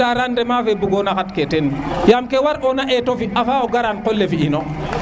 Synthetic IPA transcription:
aɾandɛmaːfebuɡonakatketenjamkewaɾʔonaʔɛtofiafaːoɡaɾankolːefiʔino

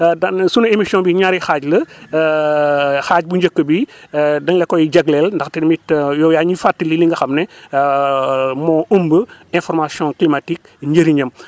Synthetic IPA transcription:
dɐnsunɐemisiɔ̃biɲaɾixaɟlɐ | xaːɟ̚buɲɟəkːəbidɐŋlekɔjid͡ʒɐɡlɛlndɐxtemitjɔjaɲifatːililiŋɡɐxɐmnɛ | mɔːumbəɛ̃nfɔɾmasiɔ̃klimatik̚ | ɲɟəɾiɲɐm

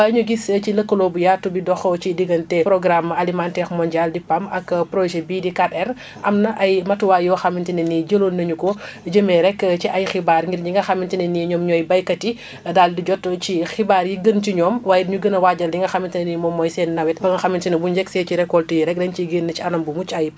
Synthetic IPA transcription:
aɲuɡiscilɐkːəlɔbujatːubidɔxɔt͡ʃidiɡɐntɛpɾɔɡɾamalimantɛxmɔɲɟaldipamɐkpɾoʒɛbiːdikatɛr | ʔɐmnɐʔɐjmɐtuwaːjɔxɐmːintinɛniɟəlolnɐɲukɔd͡ʒəmɛɾɛkt͡ʃiʔɐjxibaɾŋɡiɾɲiŋɡɐxɐmːintinɛniɲɔːmɲɔjbɐjkɐti | daldiɟɔtt͡ʃixibaːɾjiɡənt͡ʃiɲɔːmwaːjdiɲuɡənɐwaɟɐldiŋɡɐxamintinɛnimɔmːɔjsɛnːɐwɛt̚bɐŋɡɐxɐmintinɐbuɲd͡ʒɛksɛciɾɛkːɔltijiɾɛk̚dɛnt͡ʃiɡinːɐt͡ʃiɐnɐmbumut͡ʃɐj

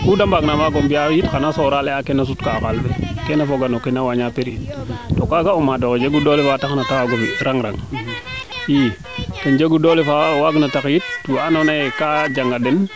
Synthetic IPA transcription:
kudambaɡnamaɡombiajitkanasoɾaleakenas̬utkakalfekenafoɡanokenawaɲapeɾittokaɡaomadoked͡ʒeɡudolefataknatawaɡofiɾaŋɾa̰ŋ | i | kand͡ʒeɡudolefawaɡnatakjit̚ːuanonajekad͡ʒaŋɡaden

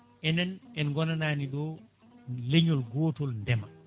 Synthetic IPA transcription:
ʔɛnɛnɛnɡɔnanaːniɗɔ | leɲɔlɡɔːtɔlndɛma

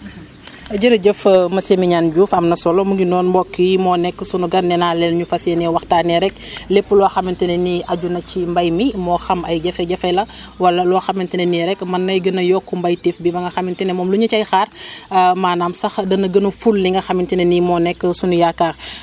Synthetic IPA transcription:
ɐɟəɾɐɟəfmɐsemiɲaːnɟuːfɐmnɐsɔlɔmuŋɡinɔːnbɔkːəjimɔːnɛkːəsunuɡɐnɛnaːlɛlɲufɐsɛnɛwɐxtaːnɛɾɛklepːəlɔɐxɐmintinɛniʔɐɟunɐcimbɐjmimɔːxɐmɐjɟɐfɛɟɐfɛlɐwɐlɐlɔːxɐmintinɛniɾɛkːmɐnːɐjɡənɐjɔkːumbɐjtifbibɐŋɡɐxɐmintinɛmɔːmluɲɐcɐjxaːrmaːnaːmsɐxdɐnɐɡənɐfulːiŋɡɐxɐmintinɛnimɔnɛkːəsunujakːa

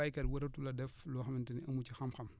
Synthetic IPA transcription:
ajkɐtwɐɾɐtulɐdɛflɔːxɐmintɐniʔɐmut͡ʃixɐmxɐm

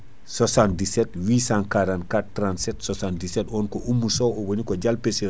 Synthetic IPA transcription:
sɔsandisɛtwiːsãnkaɾankatːɾantsɛtsɔsandisɛtɔːnkɔʔumːusɔwɔwɐnikɔɟalpese

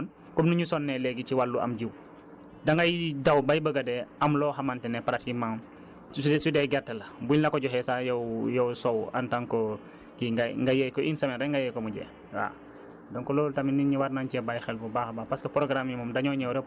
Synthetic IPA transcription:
n | kɔmnuɲusɔnːɛlɛɡit͡ʃiwalːuʔa̰mɟiw | daŋɡajdawbajbəɡadɛɐmlɔːxamantɛnɛpaɾat̚kimam | sudɛɡɛrtːɛlɐbulnakɔɟɔɦɛsajɔwjɔwsɔwa̰ntaŋkɔ | kiɡaŋɡajɛjkɔʔinsɐmɛɾɛŋɡajɛjkɔmuɟɛ̰ | wa̰ | dɔŋkɔlɔːlutaminiɲiwaɾnancɛbajxɛlfubaːxbaːpaskɐpɾɔɡɾamjimɔmdaɲɔɲɛwɾɛ

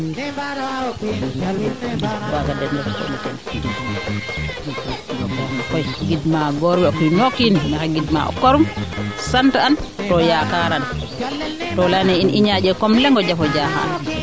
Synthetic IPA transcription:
wakadɛndɛfkɔ̰mka̰n | kɔjɡidmaɡɔɾbɛɔkujnokːinnakaɡidma̰ɔ̰kɔɾumsantaantɔjakaɾan | tɔlanɛiniɲad͡ʒɛkɔmlɛŋɡɔd͡ʒafɔd͡ʒaːɦa̰a̰n

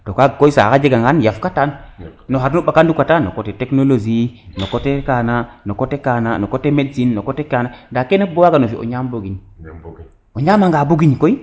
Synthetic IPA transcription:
tokakoisa̰kad͡ʒeɡaŋɡanjafkatannoɦaɾnuɓakandukatano̰koteteknolod͡ʒinokotekananokotekananokotemedsinːokotekanadakenebowaɡanofiʔo̰ɲamboɡiɲ | oɲamaŋɡaboɡiɲkoi

